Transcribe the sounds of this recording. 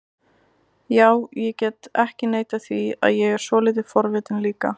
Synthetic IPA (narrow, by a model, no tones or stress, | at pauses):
jaːwjɛcɛt̪ɛhcɪneːjt̪aθvia̰ðjɛɣɛɾ̥svɔlɪt̪̬ɪfɔɾvɪːt̪ɪnliːka̰